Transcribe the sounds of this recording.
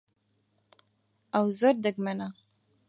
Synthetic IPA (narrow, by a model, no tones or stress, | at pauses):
awzoɾd̪əɡmana